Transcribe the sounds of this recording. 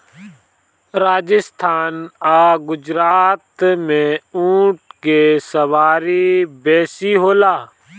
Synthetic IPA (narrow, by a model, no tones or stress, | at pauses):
ɾaːd͡ʒɪst̪ʰaːnaːɡʊd͡ʒɾaːt̪mẽũːʈkeːsəʋaːɾiːbɛːsiːɦoːlaː